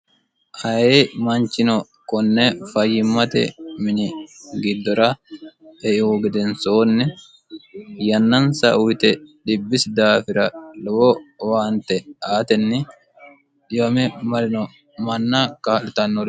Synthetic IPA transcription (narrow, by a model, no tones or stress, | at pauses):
hɐjemɐnt͡ʃːɪnɔ | kɔnːɛfɐjːɪmːɐt̪ɛ̰mɪnɪɡɪd̪ːɔɾɐ | ɛʔɪɔɡɪd̪ɛnsoːnːɛ | jɐnːɐnsɐʔʊwɪt̪ɛᶑɪbːɪsd̪aːfɪɾɐlɔwɔwaːnt̪ɛaːt̪ɛnːɪ | ᶑɪjɐmɛmɐɾɪnɔ | mɐnːakaːlɪt̪ɐnːɔɾ